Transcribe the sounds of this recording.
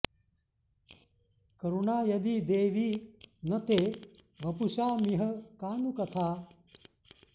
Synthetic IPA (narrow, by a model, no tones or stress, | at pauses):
kɐɾuɳaːjɐd̪iːd̪eːʋiːnɐt̪eːʋɐpuʃaːmiɦɐkaːnukɐt̪ʰaː